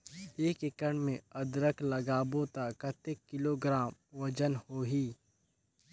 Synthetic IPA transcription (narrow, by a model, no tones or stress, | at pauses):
eːkɪkəɳmẽɐd̪ɾəkʰlɐɡaːbõt̪akət̪ekːɪloːɡɾaːmʋɐd͡ʒənhoːɦiː